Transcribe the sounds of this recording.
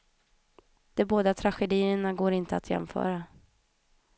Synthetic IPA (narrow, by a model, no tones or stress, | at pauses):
d̪̥ɛboːd̪at̪ʰɾaɧɛd̪iːəɳaɡoːɾɪnt̪əat̪jɛ̰mfœ̰ːɾa